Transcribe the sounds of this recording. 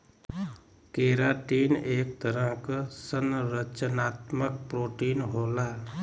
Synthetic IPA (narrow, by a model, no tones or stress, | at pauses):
keɾaʈineːk̚t̪əɾə̃ksənɾət͡ʃənaːt̪məkpɾoːʈiːnɦola